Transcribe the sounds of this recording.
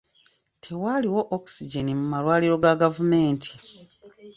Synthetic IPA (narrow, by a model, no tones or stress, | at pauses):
tʰe̞waliwo̞ʔoku̥siɟenimumalwaːliɾo̞ɡaɡavume̞ːntʰi̥